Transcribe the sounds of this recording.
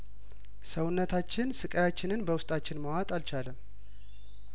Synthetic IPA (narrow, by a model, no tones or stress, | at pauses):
səwʊnːət̪ʰat͡ʃːɪnsɨkʼəjat͡ʃːɪnɨnbəwʊst̪ʼat͡ʃːɪnməwat̪ʼalt͡ʃaləm